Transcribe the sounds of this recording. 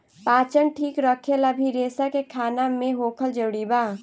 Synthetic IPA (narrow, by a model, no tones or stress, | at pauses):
paːt͡ʃəɳʈʰiːkɾəkʰelabʱiɾeːsakekʰaːnamẽɦoːkʰəld͡ʒəɽiːbaː